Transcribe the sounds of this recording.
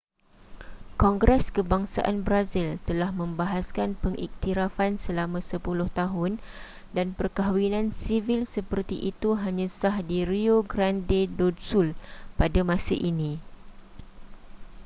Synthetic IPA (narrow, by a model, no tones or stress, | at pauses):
kɔŋɡɾɛskəbaŋsa̰ʔanbɾazilt̪əlahmə̃mbaɦaskanpəŋʔḭk̚t̪iɾafansəlamãsəpulʊht̪aɦʊn | danpərkaɦwinãnsivilsəpərt̪iʔit̪uɦaɲãsahdiɾioɡɾandedodsulpadamãsaʔinĩ